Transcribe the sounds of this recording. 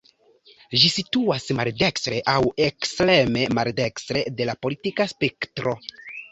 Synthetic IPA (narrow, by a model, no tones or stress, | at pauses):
ʒisituasmalde̞kstɾe̞ʔawekstɾe̞me̞malde̞kstɾe̞de̞lapo̞litikaspektɾo̞